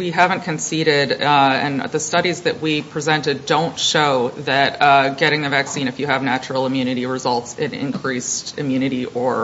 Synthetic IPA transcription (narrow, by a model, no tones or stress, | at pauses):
wiɦævɨ̃nkʰɨ̃nsiɾɪɾɨ̰̃nðɨstʌɾizðɨʔ̚wipʰɹ̥izɛ̃ntɨdõʊ̃ntʃoʊðɨt̚ɡɛɾɪ̃ŋðɨvæksĩñɨfjɨɨvnæt͡ʃɹl̩ˠə̃mjʉnɨɾiɹɨzʌlˠtsɨ̃ɾɪ̰̃nkʰɹ̥istɨmjʉñɨɾiʔə˞